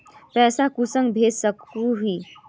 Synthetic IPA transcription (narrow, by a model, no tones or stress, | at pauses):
pɛːsakusə̃ŋɡbʱesəkuɦi